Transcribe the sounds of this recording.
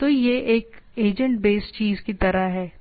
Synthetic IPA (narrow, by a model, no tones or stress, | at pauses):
t̪ojeʔeːkeːd͡ʒə̃ɳʈbeːst͡ʃiːzkit̪ɐɾaɦɛː